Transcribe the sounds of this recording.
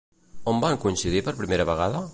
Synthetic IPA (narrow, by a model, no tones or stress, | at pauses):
ombaŋkuinsiðipəɾpɾimeɾəβəɣ̞aðə